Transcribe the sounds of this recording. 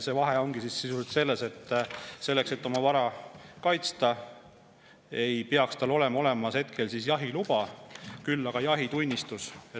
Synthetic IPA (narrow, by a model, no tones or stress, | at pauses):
se̞vɑɦeo̞ŋɡ̥isisːisult̪se̞lːe̞se̞t̪ːse̞lːe̞kse̞t̪ːo̞mɑvɑɾɑkɑjt̪st̪ɑ | e̞jpeɑkst̪ɑlo̞le̞mɑo̞le̞mɑshe̞t̪kʰe̞lsisjɑɦilub̥ɑkylːɑɡ̥ɑjɑɦit̪unʲːist̪use